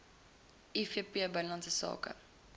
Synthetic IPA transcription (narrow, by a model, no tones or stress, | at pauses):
ʔifiəpiəbənlɐnsəsɑ̰ːkə̰